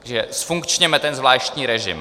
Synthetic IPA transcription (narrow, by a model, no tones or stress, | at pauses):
aɡʒɛsfuŋkt͡ʃɲɛmɛt̪ɛnzvlaːʃt̪ɲiːɾɛʒɪ̰m